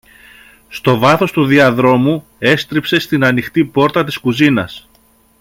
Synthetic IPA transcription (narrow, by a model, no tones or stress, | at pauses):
st̪o̞vɐθo̞st̪uðiɐðɾo̞mu | e̞st̪ɾipse̞st̪inɐnixt̪ipo̞ɾt̪ɐt̪̬i̥skuzinɐ̰s